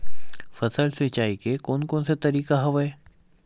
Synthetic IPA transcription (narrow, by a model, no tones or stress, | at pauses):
fɐsəlsit͡ʃaːikekoːnkoːnsat̪ɐɾiːkaɦɐʋae